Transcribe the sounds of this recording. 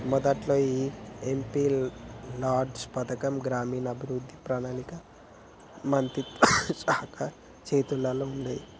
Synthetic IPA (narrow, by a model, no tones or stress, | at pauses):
mɔd̪ɐʈloːiːempiːlaːɾɖspɐt̪ɐkɐmɡɾaːmiːnɐbʱiɾud̪ʱːipɾaːnaːlikɐ | mɐnt̪it̪t͡ʃaːkʰɐ | t͡ʃeːt̪ulɐloːund̪aji